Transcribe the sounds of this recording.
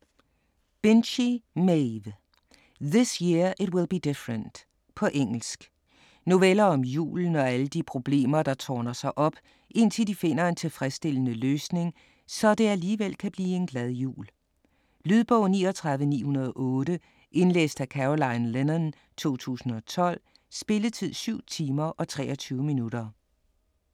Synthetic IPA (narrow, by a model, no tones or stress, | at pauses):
b̥enɕimeʋ | ðɪsjiɐʔɪdwɪlˠb̥id̥ɪfɹənd̥ | pʰɒ̽ʔeŋ̰l̩sɡ̥ | no̝ʋelɐɒ̽mjṵːln̩ɒ̽æləd̥ipʰʁo̝b̥le̝̰ːmɐd̥ɑ̈t͡sʰɒːnɐsɑ̈ɪʔɒ̽b̥ | ʔe̝n̰t͡sʰe̝ld̥ife̝n̰ɐe̝nt͡sʰe̝lfʁɛsd̥e̝lənəløːsne̝ŋ | sɒ̽d̥e̝æliːʋel̰kʰæb̥liːe̝nɡ̥læðˠjṵːl | lyð̞ˠb̥ɔʊ̰niːɒt͡sʰʁɑ̈ð̞ˠʋənḭːhunɐð̞ˠɒʔɔ̽ːɾə | ʔe̝nlḛːsd̥ækʰæʁolɑ̈ɪnlenɐn | t͡sʰo̝̰ːt͡sʰṵːsn̩ɒ̽t͡sʰɒ̽l̰ | sb̥e̝lət͡sʰið̰ˠsyʊ̰t͡sʰiːmɐʔɒ̽t͡sʰʁɛ̰ːɐt͡sʰyːʊəminuɾ̥ɐ